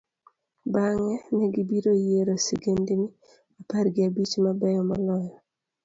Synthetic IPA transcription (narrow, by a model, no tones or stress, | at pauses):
baŋɛnɛɡɪbiɾojeɾosiɡendini | aparɡɪabit͡ʃmabɛjɔmɔlɔjɔ